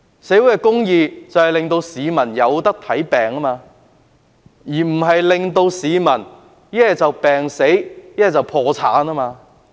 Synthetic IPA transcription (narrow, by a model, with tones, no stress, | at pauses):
se˨˥jwuː˨˥kɛ˧kʊ˥ŋjiː˧t͡sɐ˨whɐ˨jlɪ˨ŋt̪o˧wsiː˨˧mɐ˨˩njɐ˨˧wt̪ɐ˥k̚t̪ʰɐ˨˥jpɛː˨˩ŋa˥maː˧ | jiː˨˩m̩˨˩ɦɐ˨jlɪ˨ŋt̪o˧wsiː˨˧mɐ˨˩n | jɛ˥ɛ˨t͡sɐ˨wpɛː˨ŋse˨˥jjɛ˥ɛ˨t͡sɐ˨˩wpʰɔː˧t͡sʰa̰ː˨˥naː˥maː˧